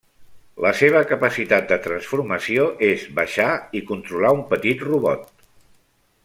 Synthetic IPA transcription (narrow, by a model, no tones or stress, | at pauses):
ləseβ̞əkəpəsit̪at̪̚d̪ət̪ɾənsfuɾməsioʔezβəʃaikunt̪ɾulaumpət̪it̪ruβɔ̰t̪̚